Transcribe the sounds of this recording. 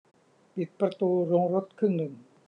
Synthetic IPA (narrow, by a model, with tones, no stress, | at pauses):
pi˨˩t̪̚pɾa˧t̪uː˧ɾo˧ŋɾo˦˥t̪̚kʰɯ˥˩ŋnɯ˧˩ŋ